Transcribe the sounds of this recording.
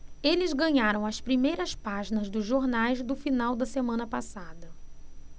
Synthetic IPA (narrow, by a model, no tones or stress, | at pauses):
elɪzɡɐ̃ɲaɾɐ̃w̃ɐspɾimejɾɐspaʒinɐzd̪ʊzʒoɾnajzd̪ʊfinawd̪ɐsemɐ̃nɐpasad̪ɐ